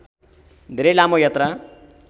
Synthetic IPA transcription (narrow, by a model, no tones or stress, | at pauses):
d̪ʱeɾʌjlamojʌt̪ra